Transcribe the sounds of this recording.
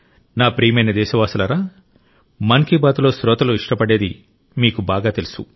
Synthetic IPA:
naːpɾiːmɐjnɐd̪ɛːʃɐʋaːsɐlɐɾaː | mɐŋkiːbaːt̪ulo̞ːsɾɔːt̪ɐloːiʂʈɐpɐɽeːd̪i | miːkubaːɡaːt̪elusṵ

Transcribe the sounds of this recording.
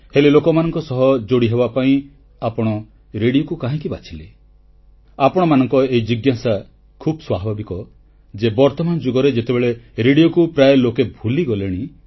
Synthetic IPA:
helelokɔmanɔŋkɔsɔɦɔd͡ʒoɽiɦebapaĩ | apɔɽ̃ɔ | ɾeɽiokukaɦĩkibat͡ʃʰile | apɔɽ̃ɔmanɔŋkɔeid͡ʒiɡjasa | kʰubɔswabʱabikɔ | d͡ʒebɔɾt̪ɔmand͡ʒuɡɔɾed͡ʒet̪ebeɭeɾeɽijokupɾajelokebʱuliɡɔleɽ̃i

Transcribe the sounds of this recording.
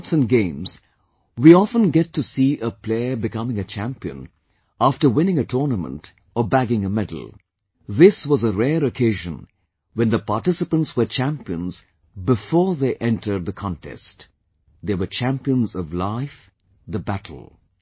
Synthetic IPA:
tsɨ̃nɡẽɪ̃mz̥ | wiɔfə̃nɡɛtʰːɨsiʔəpʰl̥eɪəbɨkʰʌmɪ̃ŋɨt͡ʃʰæ̃mpiɨ̰̃n | æftə˞wɪ̃nɪ̃ŋɨtʰɔɹnəmə̰̃nt | əbæɡɪ̃ŋəmɛdl̩ˠ | ðɪswʌzəɹɛɾɨkʰeɪʒɨ̰̃n | wɛ̃nðəpɑɹtɪsɨpə̃ntswə˞t͡ʃʰæ̃mpiə̰̃nz | bɪfɔɹðeɪʔɛ̃ntʰə˞d̪̚ðəkʰɑ̃ntʰɛ̰st | ðəwə˞t͡ʃʰæ̃mpiə̃nzʌvlaɪf | ðəbæɾʰl̩ˠ

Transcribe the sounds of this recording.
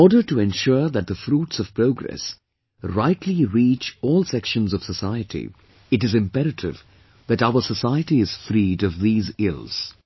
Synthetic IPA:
ɔːɖə˞ʈuɛ̃nʃʊɹðæt̚ðəfɾuːʈsɔv̥pɾoːɡɾɛ̰s | ɾaɪtʰliɾiːt͡ʃɔːlˠsɛkʃə̃nzɔv̥səsaɪəʈʰḭ | ɨʈɨzɨ̃mpɛɾɨʈʰɪ̰v | ðæʈaʊə˞səsaɪəʈiɪz̥fɾiːɾʌvðiːzɪlˠz̥

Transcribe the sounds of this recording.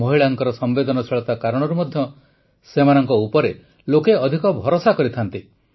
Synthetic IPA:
mɔɦiɭaŋkɔɾɔsɔmbed̪ɔnɔsiɭɔt̪akaɾɔɽ̃ɔɾumɔd̪ʱjɔ | semanɔŋkɔupɔɾe | lokeɔd̪ʱikɔbʱɔɾosakɔɾit̪ʰant̪i

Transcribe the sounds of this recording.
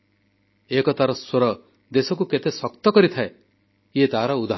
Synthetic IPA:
ekɔt̪aɾɔswoɾɔ | d̪esɔk̬uket̪esɔkt̪ɔkɔɾit̪ʰae | jet̪aɦaɾɔud̪a

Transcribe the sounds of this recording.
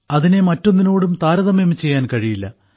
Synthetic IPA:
ɐðine̞mɐtːonːinoːɽumt̪aːɾɐðɐmemit͡ɕːe̞jːaːnkɐɻijilːɐ̰

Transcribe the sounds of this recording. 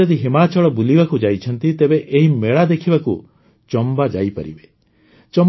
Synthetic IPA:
ɔd̪iɦimat͡ʃɔɭɔbulibakud͡ʒajt͡ʃʰɔnt̪it̪ebeʔeɦimeɭad̪ekʰibaku | t͡ʃɔmbad͡ʒajpɔ̰ɾḭbe | t͡ʃɔm

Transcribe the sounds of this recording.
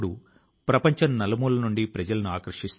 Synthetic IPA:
ɽu | pɾɐpɐɲt͡ʃɐnnɐlɐmulɐnuɳɖipɾɐd͡ʒɐlɐnuaːkɐɾɐʂist̪

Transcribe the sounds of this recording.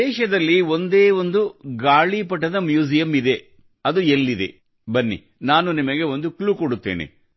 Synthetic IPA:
ɛːʃɐd̪ɐlːio̞nd̪eːʋo̞nd̪uɡaːɭipɐʈːɐd̪ɐmjuːsijɐmid̪e̞ | ɐd̪uelːid̪e̞̰ | bɐnːḭ | naːnunimɐɡe̞o̞nd̪ukɭuːkoɽut̪ːḛːnḛ

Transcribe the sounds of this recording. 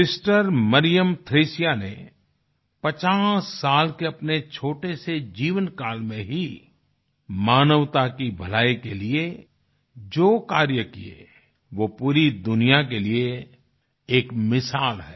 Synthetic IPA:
ɪsʈəɾməɾijəmt̪ʰɾeːsijane | pɐt͡ʃaːsːaːlkeɐpnet͡ʃʰoːʈesed͡ʒiːʋənkaːlmẽɦi | maːnəʋt̪akibʱɐlaːikelie | d͡ʒoːkaːɾjəkiḛ | ʋopuːɾid̪ʊnijakelie | eːkmɪsaːlɦɛː

